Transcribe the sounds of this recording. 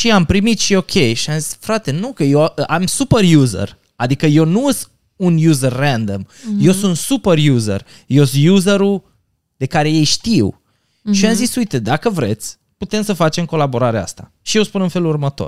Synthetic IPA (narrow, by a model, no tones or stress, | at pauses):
ʃiampɾimit̪ʃio̞kʲʰe̞jʃiamzisfɾat̪e̞nukəjewʔamsuperjuzə̰r | ad̪ikəje̞wnuəs | unjuzərːand̪o̰mje̞wsunt̪superjuzḛr | jewsjuzeɾu | d̪̥e̞kaɾe̞je̞jʃt̪iw | ʃiamzisujt̪e̞d̪akəvɾe̞̰t̪sʲ | put̪e̞msəfat͡ʃe̞mko̞labo̞ɾaɾea̰st̪a̰ | ʃijewspunɨnfe̞lurmət̪o̰r